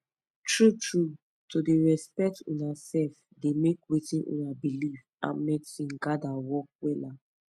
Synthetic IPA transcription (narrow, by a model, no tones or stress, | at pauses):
tɹutɹu | todeɹɛspɛk̚tṵ̃nasɛlf | demekwetĩnʔṵ̃nabiliv | ã̰mmesĩnɡadawɔk̚wɛla